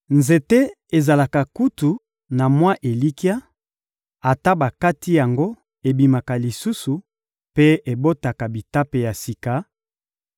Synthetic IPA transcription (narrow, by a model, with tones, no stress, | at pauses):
nze˨te˦ | e˨za˨la˨ka˨ku˦tu˨ | na˨mwa˦ʔe˨li˦ki˦a˦ | a˨ta˦ba˨ka˦ti˦ja˨ŋɡo˦ | e˨bi˨ma˨ka˨li˨su˦su˨ | pe˦e˨bo˦ta˨ka˨bi˨ta˦pe˨ja˨si˨ka˦